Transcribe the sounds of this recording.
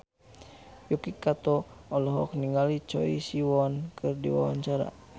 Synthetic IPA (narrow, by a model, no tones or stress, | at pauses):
jukikat̪ɔɔlɔɦɔk̚niŋɡalit͡ʃɔ̰ḭsiwɔnkɨrdḭwa̰wa̰ɲt͡ʃaɾa̰